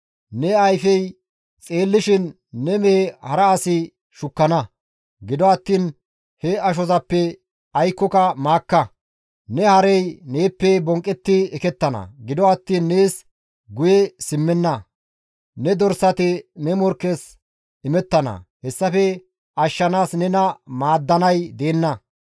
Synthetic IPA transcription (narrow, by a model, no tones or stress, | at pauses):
nɛɐjfɛj | t͡sʼe̞ːlːɪʃɪnː | ɛmeːhɐɾɐːsɪ | ʃʊkːɐnɐ | ɡɪd̪ɔɐt̪ːiːn | hɛɐʃ̬ɔzɐpːɛ | ɐjkːɔkɐmaːkːɐ | nɛhɐɾɛjneːpːɛbɔŋkʼːɛt̪ːɪɛkɛt̪ːɐnɐ̰ɡɪd̪ɔɐt̪ːiːnːeːs | ɡʊjɛsɪmːɛnːɐ | nɛd̪ɔɾsɐt̪ɪnɛmɔɾkːɛs | ɪmɛt̪ːɐnɐ̰hɛsːɐfɛ | ɐʃːɐnaːsnɛnɐmaːd̪ːɐnɐjd̪e̞ːnːɐ